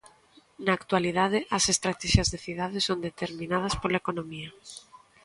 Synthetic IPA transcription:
naːkt̪waliðaðɪʔɐsest̪ɾat̪ɛʃjɐzðeθiðaðɪsownd̪et̪eɾmĩnað̞ɐspolaekonomiɐ

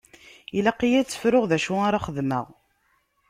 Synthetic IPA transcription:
ilæqːijæt͡sːə̥fɾʊʁðæʃuaɾaχəðmə̰ʁ

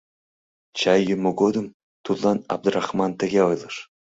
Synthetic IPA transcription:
t͡ɕɑjumuɡod̪ɤ̆m | t̪ut̪lˠɑnɑ̰b̚d̪urɑχmɑnt̪ɘ̆ɡʲeɤjlˠɤ̆ʂ

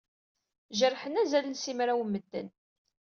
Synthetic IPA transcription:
ʒərħənæzælənsimɾæwmːəd̪ːə̰n

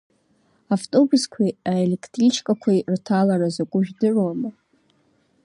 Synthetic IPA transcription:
aftʼo̞buskʷʰaaele̞kʰtʼrit͡ʃʰkʼakʷʰajrtʰalaɾazakʷʼʊʒᶣdɨʕwamɨ

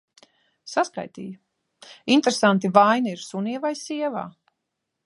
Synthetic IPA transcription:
saska̰jt̪ḭːju | int̪ɾesant̪ivajniiɾsuniɛvajsiɛva̰ː

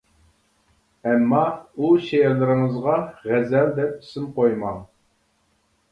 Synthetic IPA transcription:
ɛmːɑuʃejɛɾlɨɾɨɴəzʁɑʁæzɛld̪ɛp̚sɪmqojmɑŋ

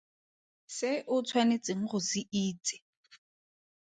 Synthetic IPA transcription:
sɪʔʊt͡sʰwanet͡sʼɪŋ̩χʊsɪʔiːt͡sʼɪ̥

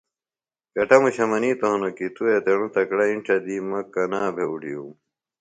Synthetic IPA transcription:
kɐʈɐmuɕɐmɐniːt̪oɦonokit̪uet̪eɽũt̪ɐkɽɐĩɳʈ͡ʂɐd̪iːmɐkɐnaːbʱeuɽijum

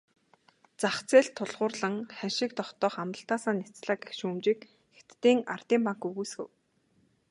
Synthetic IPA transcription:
t͡saχt͡seːɬt̪ʰːʊɮʁʊːrɮə̆ŋχænʃɪ̆k̚t̪ɔχt̪ɔːχamt̪ə̆ɬt̪aːsaːnːit͡sɮaːkexʃuːmt͡ɕiːk | xet̪ːiːŋa̰rt̪iːmpaŋkɵɣuːsɡɘ̰̆w

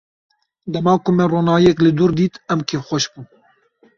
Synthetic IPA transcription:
d̪ɛmɑːkʊmɛroːnɑːjɛklɪd̪uɾd̪iːt̪ɛmkʰeːfxʷɔʃbun

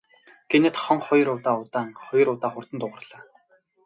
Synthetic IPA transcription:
ɡ̥enĕt̪χɔŋχɔj̆rʊt̪aːʊt̪aːŋχɔj̆ɾʊt̪aːχʊr̥t̪ə̆nt̪ʊʁə̆rɮ̥aː

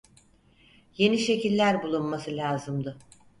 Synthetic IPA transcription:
je̞niʃe̞cilʲːæɾbulˠunmasɯlʲaːzɯmd̪ɯ

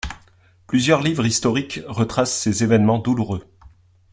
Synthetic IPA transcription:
plyzjœʁlivʁist̪ɔʁikʁət̪χasːezevɛnmɑ̃d̪uluʁø

